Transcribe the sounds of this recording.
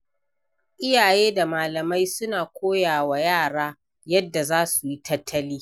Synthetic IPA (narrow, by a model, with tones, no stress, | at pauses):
ʔɪ˦jaː˨jeː˦da˨maː˨lɐ˨ma˦jsʊ˦naː˨kʷoː˦jaː˨wa˨jaː˦˨ɽaː˦ | jɐ˦dːa˨zaː˦su˨ji˦tʰɐ˦tʰːɐ˦liː˦